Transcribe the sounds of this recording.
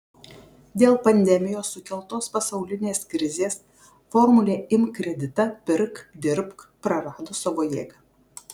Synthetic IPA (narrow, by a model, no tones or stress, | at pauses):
d̪ʲeːlˠpɐnʲd̪ʲɛmʲɪjoːsːʊkʲɛlˠt̪oːspɐsɐʊlʲɪnʲeːskɾʲɪzʲeːs | fɔɾmʊlʲeːɪmkɾʲɛd̪ʲɪt̪ɐpʲɪɾkd̪ʲɪɾpkpɾɐɾɑːd̪oːsɐʋoːjeːɡɐː